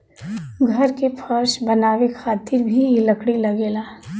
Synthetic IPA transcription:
ɡʱɐɾkepʰɐɾʃbɐnaːʋekʰaːt̪ɪɾbʱiləkɽilɐɡeːlaː

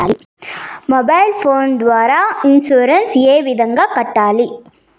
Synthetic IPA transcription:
mɔbɐɪlfʰoːnd̪ʋaːɾaɪnsuːɾɐnseːʋɪðɐŋɡɐkɐʈːaːli

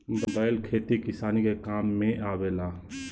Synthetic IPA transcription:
bbaːɪlkʰeːʈ̪ikɪsaːnikekaːmːẽʔaːʋeːlaː

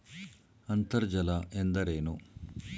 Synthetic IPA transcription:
ɐnt̪ɐɾd͡ʒɐlɐʔend̪ɐɾeːnu

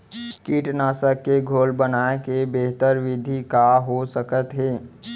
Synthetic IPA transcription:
kiːʈnaːsəkːeɡʱoːlbənaːekebeɦt̪əɾʋɪd̪ʱikaɦosəkət̪ɦɛː

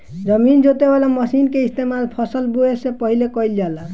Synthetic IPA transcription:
d͡ʒʌmind͡ʒot̪ebalamʌsinkeist̪emalpʰɔsəlbuesepɔɦilekɔild͡ʒala

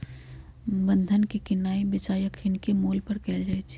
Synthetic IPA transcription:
bə̃nd̪ʱənkikɪnaːibɪt͡ʃaːjəkʰɪnkemoːlpəɾkɛːld͡ʒaːjt͡ʃʰ

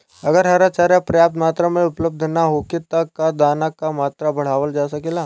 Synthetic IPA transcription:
ɐɡəɾɦɐɾat͡ʃaːɾjapɾɐjaːp̚t̪maːt̪ɾamẽʊpləb̚d̪ʱnaɦoːkɪt̪ːakːad̪aːnakːamaːt̪ɾabɐɽ̤aːʋəld͡ʒaːsɐkelaː

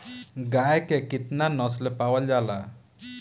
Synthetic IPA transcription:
ɡajkekɪt̪nanɔslepawəld͡ʒala

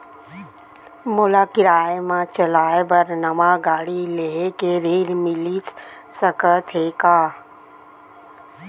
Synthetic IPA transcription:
molaːkɪɾaːemãːt͡ʃəlaːebəɾnəmãːɡaːɽileɦekeɾeːɾmɪlis | səkət̪ʰeːkaː

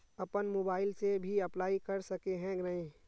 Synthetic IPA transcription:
ɐpənmoːbaːɪlsebʱiɐplaːikɐɾsɐkeɦɛ̃ɡɾɐĩ

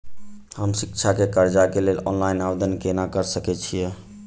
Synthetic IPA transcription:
həmsikt͡ʃʰakekəɾd͡ʒakelelɔ̰nlajnabd̪ənkenakəɾsəkɛt͡ʃʰijɛ

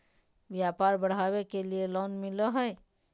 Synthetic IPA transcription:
ʋjaːpaːɾbəɽ̤aːwekelielɔːnmɪlɔɦɛj

